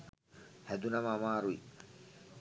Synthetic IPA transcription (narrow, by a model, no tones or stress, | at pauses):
hɛd̪unɐmːmaːɾuḭ